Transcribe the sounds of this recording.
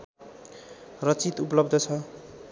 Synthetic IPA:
rʌt͡sit̪upʌlʌb̚d̪ʱʌt͡sʰʌ

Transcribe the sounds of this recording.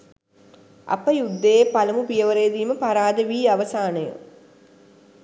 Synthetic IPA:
ɐ̰pəjud̪ːeːpalɐmupijəʋəɾejd̪iːməpaɾaːd̪əʋiːaʋɐsaːnəjṵ

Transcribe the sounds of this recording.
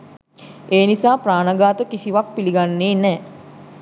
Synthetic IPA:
eːnisaːpraːnaɡaːt̪əkisiʋak̚piliɡanːeːnɛː

